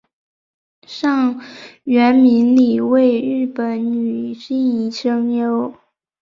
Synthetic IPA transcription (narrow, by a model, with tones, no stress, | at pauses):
ʂɑ˥˩ŋɥɛ˧˥nmi˧˥nli˨˩we˥˧ɪɻɻ̩˥˩pə˨˩˥nny˨˩ɕi˥˩ni˧˥˩ʂɤ˥ŋjo˧˥ʊ